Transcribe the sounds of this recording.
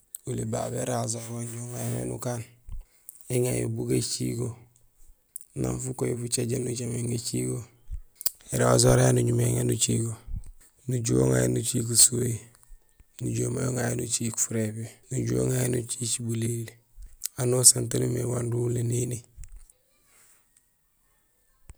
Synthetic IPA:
uliba̰beɾazoɾonɟuoŋajenḛnukaːn | eŋajo̰buɡat͡ʃiɡo | na̰nfukojifut͡ʃeɟenut͡ʃameŋɡat͡ʃḭɡo | eɾazoɾajenuɲumeŋenut͡ʃiɡo | nuɟuo̰ŋajḛnut͡ʃik̬usui | nuɟoma̰joŋajenut͡ʃiku̥fuɾebenuɟuoŋajenut͡ʃit͡ʃibulil | anosantanumewandulːenini

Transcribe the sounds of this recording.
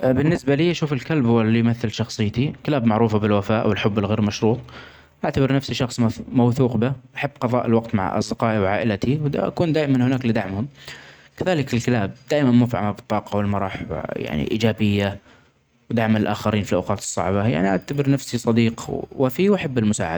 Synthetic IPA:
bɪnːɪsbaliːʔaʃuːfɪlkalbhʊwalːijmaθːɪlʃɑxsˤɨjːt̪ikɪlaːbmaʕɾuːfabɪlwafaːʔwɪlħʊbːɪlɣeːɾmaʃɾuːt̪ˤ | ʔaʕt̪abɪɾnafsiʃɑxsˤmmawθuːqbɪʔaħabːqɑðˤɑ̰ːʔɪlwɑqt̪ma̰ʕʔɑ̰sˤd̪ɪqɑːʔiwʕa̰ːʔɪlat̪iw̪ʔa̰kuːnd̪aːʔɪmanhʊnaːklɪd̪aʕmhʊm | kaðaːlɪkɪlkalaːb̚d̪aːʔɪmanmʊfʕa̰mabɨt̪ˤːɑːqɑwɪlmɑɾˤɑħw̰ja̰ʕnḭʔḭːd͡ʒaːbɪjːa | wd̪aʕmaɪlʔaːxaɾiːnfilʔawqɑːt̪ɨ̥sˤːɑ̰ʕbaja̰ʕniʔaʕt̪abɪɾnafsisˤɑd̪iːqwafiwʔaħabːɪlmʊsa̰ːʕa̰d̪a

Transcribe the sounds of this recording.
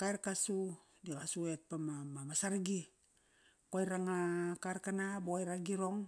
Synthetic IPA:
kaerkasu | dikasuet̚pamamamasaɾɡi | kojɾaŋakarkanabojɾaɡiɾoŋ

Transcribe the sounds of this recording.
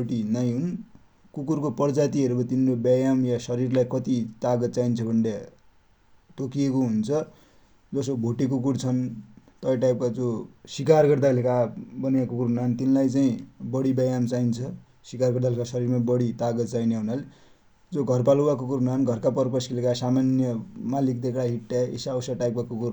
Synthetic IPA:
bʱoʈinaj̃ɦun | kukurkopʌrd͡zat̪iʌɾubʌt̪inrobʌjamjasʌɾirlajkʌt̪it̪aɡʌt̪t͡saint͡sʰʌbʱʌɳɖja | ʈ̪okijekoɦunt͡sʰʌ | d͡zʌs̬obʱoʈikukuɽt͡sʰʌnt̪ʌʈajp̚kad͡zosikarɡʌrd̪alekabʌnijakokuɾunant̪inlajt͡saĩbʌɽibʌjamt͡saint͡sʰʌ | sikarɡʌɾd̪alekasʌɾirmabʌɽit̪aɡʌt̪̚t͡saineɦunale | d͡zoɡʱʌrpaluakokuɾnanɡʱʌrkapʌrpʌskelekasamanjʌmalik̚d̪ekɽaɦiʈːaḛsawsaʈajp̚kakukuɾ

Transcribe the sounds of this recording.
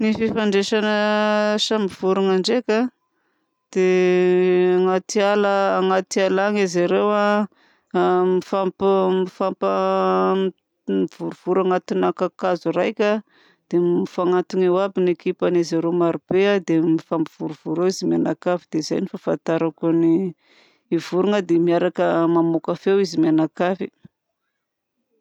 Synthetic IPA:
nififaɳɖ͡ʐeʃanəʃamiv̥uɾuŋaɳɖ͡ʐekʲa | d̪̥e | aŋat̪ialəːŋat̪ialaŋiziɾewa | mifampmifampə | v̥uɾuv̥uɾaŋat̪inakakazurajkʲa | d̪̥emifaŋant̪iŋewabinekipanizaɾemaɾub̥ead̪emifampiv̥uɾuv̥uɾewizimianakavid̪̥eiza̰jnifafant̪aɾakuniː | vuɾuŋəd̪emiaɾakəmamokafewizimjanakafi

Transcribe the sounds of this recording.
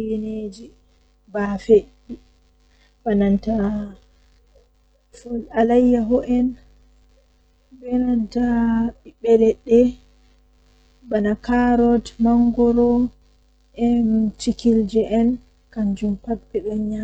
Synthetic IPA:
jened͡ʒi | bafe | i | bananta | fɔlalajːaɦɔʔɛn | bɛnantaibɛlɛɗːɛ | banakaɾɔdmaŋɡɔɾɔ | ʔɛnt͡ʃikild͡ʒɛʔɛn | kaɲd͡ʒumpabːɛɗɔnɲa

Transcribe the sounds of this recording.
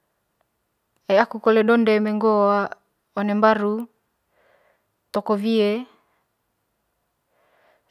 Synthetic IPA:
eakukoledondemeŋɡowa | onembaɾu | t̪ɔkovie

